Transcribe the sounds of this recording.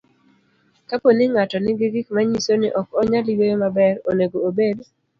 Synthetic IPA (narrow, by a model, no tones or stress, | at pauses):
kaponɪŋatɔnɪɡɪɡɪkmaɲisonɪʔɔkɔɲaliɡojomabɛɾoneɡoːbed